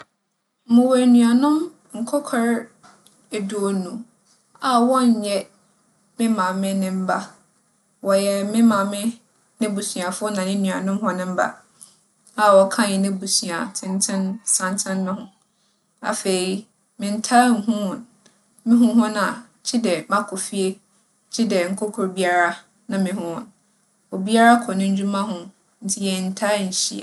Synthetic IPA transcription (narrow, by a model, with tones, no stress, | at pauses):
mʊ̃˨wɛ˨nũ˨a˨nʊ̃˦m | ŋ̩˨kʰɔ˦kʰɔ˦ɾ | e˨du˨o˨nũ˨ | a˨wɔ̃˦ɲ˨ɲɛ˦ | mɪ̃˦mã˨mɪ̃˦nɪ̃˦m̩˦ba˦ | wɔ˨jɛ˨mɪ̃˦mã˨mɪ̃˦ | nɪ̃˦bu˨sɥ̃a˨fʊ˦ɔ˦nã˨nɪ̃˦nũ˨a˨nʊ̃˦mɦʊ̃˦nɪ̃˦m̩˦ba̰˦ | a˨wɔ˨kʰã˦˨ɛ̃˨nɪ̃˦bu˨su˨a˨tʰɪ̃˨ntʰɪ̃˦nsã˦˨ntʰɪ̃˦nːʊ̃˦hʊ̃˦ | a̰˨fe˨ɾi˦ | mɪ̃˨n̩˦tʰa˦ŋ̩˨˦ɦʊ̃˦hʊ̃˨n | mɪ̃˦ɦʊ̃˦ɦʊ̃˦nã˨ | t͡ɕʰi˦dɛ˨mã˦kʰɔ˨fi˦e˦ | t͡ɕʰi˦dɛ˨ŋ̩˨kʰɔ˦kʰɔ˨ɾbi˦a˦ɾa˦ | nã˨mɪ̃˨ɦʊ̃˦hʊ̰̃˨n | ɔ˨bi˦a˦ɾa˦kʰɔ˨nʊ̃˦ɲ˦d͡ʑũ˦mã˦ɦʊ̃˦ | n̩˨tʰɪ˦jɛ˨n̩˨tʰa˦˨n˨ɕi˦a̰˨